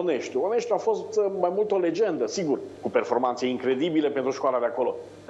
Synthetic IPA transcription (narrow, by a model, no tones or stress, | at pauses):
oneʃt̪uoneʃt̪uafo̞st̪majmult̪əole̞d͡ʒe̞nd̪əsiɡurkupe̞rfo̞rmant̪seiŋkɾe̞d̪ibile̞pent̪ɾuʃkoalad̪eako̞lo̞